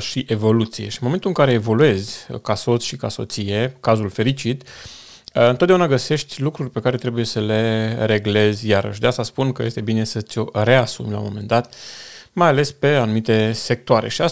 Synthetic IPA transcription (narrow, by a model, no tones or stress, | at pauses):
ʃiʔe̞vo̞lut̪sije̞̰ʃinmoment̪ulɨŋkaɾe̞ːvo̞lue̞zʲkaso̞t̪sʲʃikaso̞̰t̪sije̞kazulfe̞ɾit͡ʃit̪ | ɨnt̪ot̪d̪eaunaɡəse̞ʃt̪ʲlukɾurʲpe̞kaɾe̞t̪ɾe̞buje̞səle̞ɾe̞ɡle̞zʲjaɾə̰ʃ̬ʲd̪east̪aspunkəjest̪e̞bine̞sət̪sʲo̞re̞asumla̰mo̞̰me̞nd̪at̪majale̞spe̞anumit̪e̞se̞k̚t̪oaɾe̞̰ʃia